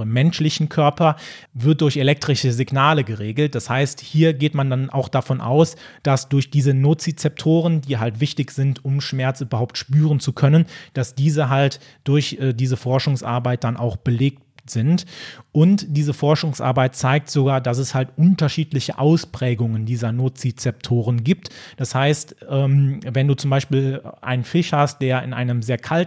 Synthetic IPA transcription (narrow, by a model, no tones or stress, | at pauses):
əmːɛnʃlɪçn̩kʰœɐpɐvɪɐt̚d̥ʊɐçelɛk̚tʁ̥ɪʃəzɪɡnaːləɡəʁeːɡl̩t̚d̥ashaɪsthiːɐɡeːtmandanʔa̰ʊxd̥afɔnʔa̰ʊsd̥asd̥ʊɐçd̥iːzənot͡sit͡sɛp̚tʰoːʁ̞əndiːɦaltv̥ɪçtɪçz̥ɪntʊmʃmɛɐt͡syːbɐhaʊp̚tʃpyːʁ̞ənt͡sukʰœnənd̥asd̥iːzəɦalt | d̥ʊɐçʔɛːdiːzəfɔɐʃʊŋsʔa̰ɐbaɪt̚d̥anʔa̰ʊxb̥əleːk̚tz̥ɪntʔʊntd̥iːzəfɔɐʃʊŋsʔa̰ɐbaɪtt͡saɪk̚tz̥oɡaːɐdas̬ɛshaltʔʊntɐʃiːtlɪçəʔaʊspʁ̥ɛːɡʊŋəndiːzɐnoːt͡sit͡sɛp̚tʰoːʁənɡiːp̚td̥ashaɪstʔɛːmvɛnduːt͡sʊmbaɪʃpiːlʔa̰ɪnnfɪʃhast̚d̥eːɐɪ̰nʔa̰ɪnəmzeːɐkʰalt